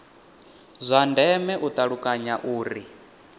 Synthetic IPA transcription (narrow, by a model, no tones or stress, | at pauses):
zʷandɛmɛʔut̪ʼaɺukʼaɲaʔuːɾi